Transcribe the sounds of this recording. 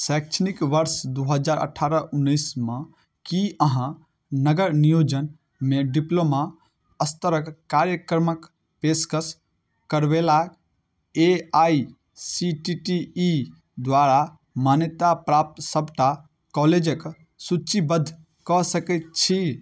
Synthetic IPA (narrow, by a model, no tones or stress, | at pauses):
sak̚t͡ʃʰnikʋəɾsd̪uɦəd͡ʒaːɾə̰ʈʰaɾəʔunːəɪsmẽ | kiəɦã | nəɡəɾnijod͡ʒən | meɖiploma | əst̪əɾəkkaɾjəkɾmək | peskəs | kəɾʋela | eai | siʈiʈiː | d̪ʋaɾa | manjət̪apɾap̚t̪səbʱʈa | kɔled͡ʒək | sut͡ʃibəd̪ʱ | kɔsəkɛt̪̚t͡ʃʰi